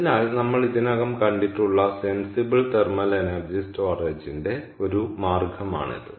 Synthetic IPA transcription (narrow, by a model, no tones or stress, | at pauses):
ɐnaːlnɐmːɐɭiðinɐɣɐmkɐɳɖiʈːuɭːɐsensibɐɭt̪ermɐlenɐrd͡ʑistoːreːd͡ʑinde̞ | o̞ɾumaːrɡʱɐma̰ːɳḭðɨ̰